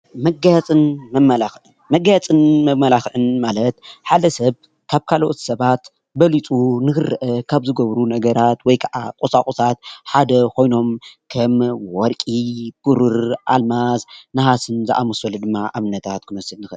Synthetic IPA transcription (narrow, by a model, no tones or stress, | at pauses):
mɐɡajat͡sʼɨnmɐmːɐlaxʕɨnmɐɡajat͡sʼɨnmɐmːɐlaxʕɨnmalɐt̪ħad̪ɐsɐβ | kʰaβkʰaloʔot̪i̥sɐβat̪ | bɐlit͡sʼunɨxɨrːɨʔɐkʰaβzɨɡɐβɾunɐɡɐɾat̪wɔjkʰɐʕakʼosakʼosat̪̚ħad̪ɐkʰo̞jno̞mkʰɐmwɔɾkʼib̥ɨɾɨɾʔalmasnɐhasɨnzɨʔamɐsɐlud̪ɨmːaʔaβnɐt̪ʰat̪kʰɨnɐsɨnnɨxɨ